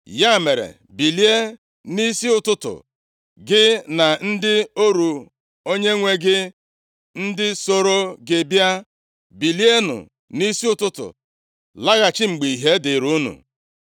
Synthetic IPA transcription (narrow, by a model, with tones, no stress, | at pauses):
ja˦˨me˨ɾḛ˨ | bi˨li˦e˦ | ni˦si˦ʊ˨tʊ˦tʊ̰˨ | ɡɪ˦na˨n̩˦dɪ˦o˦ɾu˨ | o˦ɲe˦ŋʷe˦ɡɪ˦ | n̩˦dɪ˦so˨ɾo˦ɡe˨bja˦ | bi˨li˦e˦nʊ̰˨ | ni˦si˦ʊ˦tʊ˦tʊ̰˨ | la˦ɣa˨t͡ʃɪ˦ŋ͡m̩˨ɡ͡bi˨i˨ɦe˦dɪ˨ɾu˦nṵ˨